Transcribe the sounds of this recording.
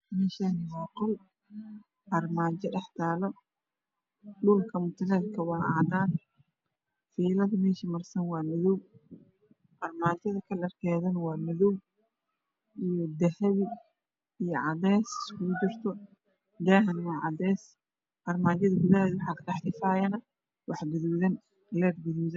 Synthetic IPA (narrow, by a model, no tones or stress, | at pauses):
mɛːʃɐnwaːqɔl | ʔɐrmaːt͡ʃɛɖɛħt̪ʰaːlɔ | ɖʊlkʰɐmʊt̪ʰɐlɛlkʰɐwɑːʔa̰ːd̪aːn | fiːlɐðɐmɛːʃɐmɐrsɐnwɑːmɐðɔw | ʔɐrmaːt͡ʃɐðɐkʰɐlɐrkʰɛːðɐnwɑːmɐðɔw | ijɔd̪ɐhɐβɪ | ijɔʕɑdɛːsɪskʊɣʊd͡ʒɪrt̪ʰɔ | d̪aːɦɐnwɑːʕɑd̪ɛːs | ʔɐrmaːt͡ʃɐðɐɡʊðaðwɑħɑːkʰɐtɑħt̪ɪfaːjɐnɐ | wɑħɡʊðuːðɐn | lɛːd̪ɡʊðuːðɐn